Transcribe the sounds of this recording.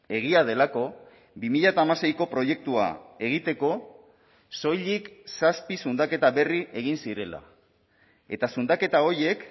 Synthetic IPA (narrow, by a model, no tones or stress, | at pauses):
e̞ɣiað̞e̞lako̞ | bimiʎat̪aːmase̞jko̞pɾo̞je̞k̚t̪ua̰e̞ɣit̪e̞ko̞ | so̞jʎiksaspisund̪ake̞t̪aβe̞riʔe̞ɣ̞insiɾe̞la̰ | e̞t̪asund̪ake̞t̪ao̞je̞k